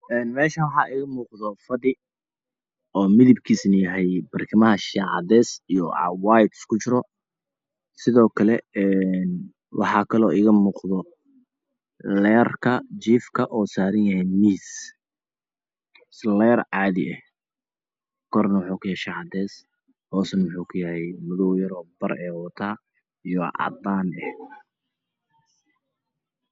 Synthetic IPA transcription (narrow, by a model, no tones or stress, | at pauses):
ɛːnmɛːʃɐwɑħɑːʔɪɣɐmuːqðɔfɐðɪ | ɔːmɪðɪbkʰiːsnɐjɐɦɛjbɐrkʰɪmɐɦɐʃɑːʕɑ̰d̪ɛːsijɔ̰waːjt̪skʰʊt͡ʃɪɾɔ | sɪðɔːkʰɐlɛɛn | wʔɑ̰ħɑːkʰɐlɔːʔɪɣɐmuːqðɔ | lɛːrkʰɐt͡ʃiːfkʰɐʔɔːsaːɾɐnjɐhɛmiːs | slɛːɾʕɑːðɪɛh | kʰɔːrnɐwħuːkʰʊjɛʃɐħɑt̪ʰɛːs | hɔːsɐnwʊħuːkʰʊjɐhɛjmʊðɔwjɐɾɔːbɐrɛːwɐt̪ʰaː | ijɔʕɑ̰d̪aːnɛh